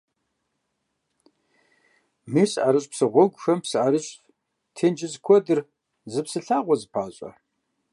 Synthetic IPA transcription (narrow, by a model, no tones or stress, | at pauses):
miːɕʔaɾɨɕʼpsɨʁʷɔɡʷxɐmpsɨʔaɾɨɕʼ | tʰeːnd͡ʒɪzkʷʰɔdɨr | zɨpsɨɬaːʁʷɔzɨpʰaːɕʼɐ̰